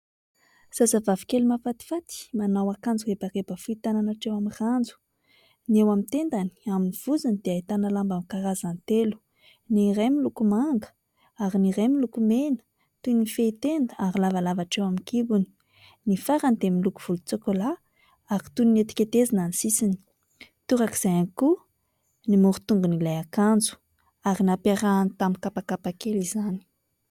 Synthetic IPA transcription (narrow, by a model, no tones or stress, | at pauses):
z̥azavavi̥kelumafat̪i̥fat̪i̥manawakand͡zuebaɾebəfuit̪ananaʈ͡ʂewamirand͡zu̥ | niewamint̪end̪ani̥aminiv̥uzanid̪̥eait̪analambamkaɾazant̪elu̥ | niɾemilukumaŋɡə̥ | aɾiniɾemilukumenə̥ | t̪unifeit̪end̪əaɾilavalavaʈ͡ʂewamikibuni̥ | nifaɾand̪emilukuv̥ulut͡sokola | aɾi̥t̪uninet̪i̥kʲet̪ezinanisisini̥ | t̪uɾaki̥z̥ajaniku | nimuɾut̪uŋɡunilajakand͡zu̥ | aɾinapaɾant̪amikapakapakelizani̥